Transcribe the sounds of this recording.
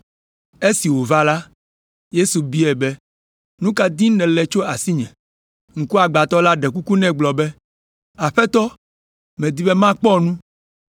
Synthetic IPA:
e˦si˨wo˨va˦la˦ | je˦su˨bi˦ɛ˨bɛ˦ | nũ˦ka˦d̪i˦nɛ̃˨lɛ˨t͡ʃo˦a˨si˦ɲɛ̰̃˨ | ŋ̩˨ku˦a˨ɡ͡ba˨t̪ɔ˦la˦ɖɛ˨ku˦ku˦nɛ̃˦˨ɡ͡blɔ˨bɛ˦ | a˨ɸɛ˦t̪ɔ˦ | mɛ̃˨d̪i˦be˦mã˦k͡pɔ˦nũ˦

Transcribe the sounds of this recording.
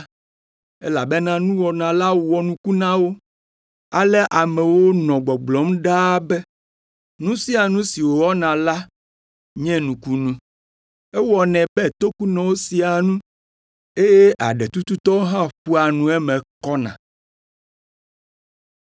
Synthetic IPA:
ɛ˦la˨be˦nã˦nũ˦wɔ˨nã˨la˦wɔ˨nũ˦ku˦nã˦wo˦ | a˨lɛ˦ʔa˨mɛ̃˨wo˦nɔ̃˨ɡ͡bɔ˨ɡ͡blɔ˨˦mɖa˦bɛ˦ | nũ˦si˦a˨nũ˦si˨wo˨wɔ˦nã˨la˦ | ɲɛ̃˦nũ˨ku˦nũ˦ | ɛ˦wɔ˨nɛ̃˨bɛ˦˨t̪o˦ku˦nɛ̃˨wo˦si˨a˨nũ˦ | e˦je˦ʔa˨ɖɛ˨t̪u˦t̪u˦t̪ɔ˦o˦ɦã˦ɸu˦a˨nũ˦ɛ˦mɛ̃˨kɔ˦nã̰˨

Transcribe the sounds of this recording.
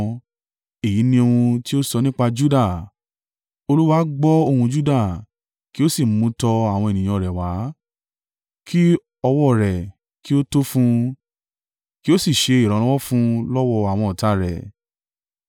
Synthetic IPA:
e˨ji˨˦nĩ˧o˧hũ˧ti˦o˦sɔ˧nĩ˦k͡pa˧d͡ʒu˦da˦˨ | o˧lu˦wa˦ɡ͡bɔ˦o˧hũ˧d͡ʒu˦da˦˨ | ki˦o˦si˦˨mũ˨˧tɔ˧a˨w̃ɔ̃˧e˨nĩ˨j̃ɔ̃˧˨ɾɛ˨wa˨˦ | kʰi˦ | ɔ˧wɔ˦˨ɾɛ˨ | ki˦o˦to˦fũ˧ | ki˦o˦si˦˨ʃe˧i˦˨ɾ̃ã˨˧lɔ˦wɔ˦fũ˦lɔ˦wɔ˧a˨w̃ɔ̃˧ɔ˨ta˨˦ɾɛ̰˨

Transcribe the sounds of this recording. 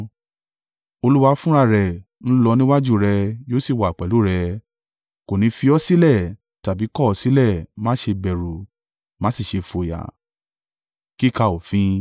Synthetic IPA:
o˧lu˦wa˧fũ˦ɾa˦˨ɾɛ˨ | ñ̩˦lɔ˧nĩ˦wa˦d͡ʒu˦˨ɾɛ˧joː˦si˦˨wa˨k͡pɛ˨lu˨˦ɾɛ˧ | ko˨nĩ˨˧˦fi˧ɔ˧˦si˦lɛ˦˨ | ta˨bi˨˦kɔ˦˨ɔ˨˦si˦lɛ˦˨˦mãː˦ʃe˧bɛ˨ɾu˨ | mã˦si˦˨ʃe˧fo˨ja̰˨ | ki˦ka˧˨o˨fĩ˨˦

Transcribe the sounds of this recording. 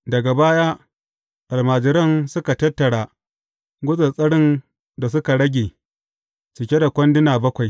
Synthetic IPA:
dɐ˨ɡa˨baː˦jaː˦ | ʔa˨lmaː˨d͡ʒɪ˨ɾɐ˦nsʊ˦ka˨tɐ˦tːɐ˨ɽaː˨ | ɡʷʊ˦zɐ˨sʼɐ˦ɽɪ˦n | da˨s̬ʊ˦ka˨ɽɐ˦ɡʲeː˨ | t͡ʃɪ˨kʲe˦da˨kʷɐ˦ndɪ˦naː˨bɐ˦kʷa˨j

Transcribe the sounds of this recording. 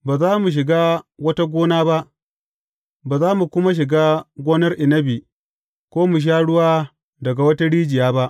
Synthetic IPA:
baː˨zaː˦mu˨ʃ̬ɪ˨ɡaː˦wɐ˦ta˦ɡʷoː˦naː˦ba˦ʔ | baː˨zaː˦mu˨kʷʊ˦ma˦ʃ̬ɪ˨ɡaː˦ɡʷoː˦nɐ˦rʔɪ˨nɐ˦bi˨ | kʷoː˦mu˨ʃ̬aː˦ɽʊ˦waː˦ | dɐ˨ɡa˨wɐ˦ta˦ɽiː˦d͡ʒɪ˨jaː˦ba˦ʔ

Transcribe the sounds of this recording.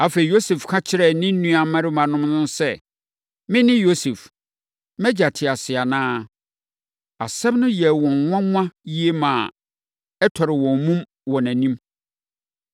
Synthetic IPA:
a˨fe˨i˨jo˦se˨fkʰã˦t͡ɕʰɪ˦ɾɛ˦˨nɪ̃˦n̩˦nũ˦a˨mã˦ɾɪ˦mã˨nʊ̃˦mnʊ̃˦n˦sɛ˦ | mɪ̃˦nɪ̃˦jo˦se˨f | mɛ˦d͡ʑa˨tʰɪ˨a˨sɪ˨a˨nãː˦ | a̰˨sɛ˦bnʊ̃˦jɛ˨wɔ̃˨nŋʷ˦ã˦mʷ˦ã˦ji˦e˦mã˨ | ɛ˦tʰɔ˨ɾɪ˨wɔ̃˨mmũ˦m | wɔ̃˨næ̃˨nĩ˦m

